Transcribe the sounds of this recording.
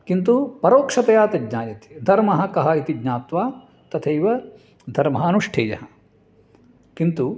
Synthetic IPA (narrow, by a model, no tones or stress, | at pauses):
kint̪upɐɾoːkʂɐt̪ɐjaːt̪ɐdɲaːjɐt̪i̥d̪ʱɐɾmɐɦɐ̆kɐɦɐit̪iɡɲaːt̪ʋaː | t̪ɐt̪ʰɐjʋɐ | d̪ʱɐɾmɐɦɐɐnuʂʈʰeːjɐ̰ɦɐ | kint̪u